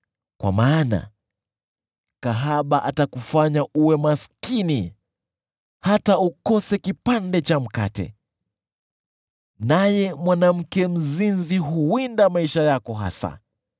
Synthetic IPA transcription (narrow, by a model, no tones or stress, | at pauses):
kwa̰maːna̰ | kaɦaɓaʔatakufaɲauwɛmaskini | hataukɔsɛkipandɛt͡ʃam̩ka̰tɛ̰ | najɛmwanam̩kɛm̩zinziɦuwindamaiʃajakɔɦa̰sa̰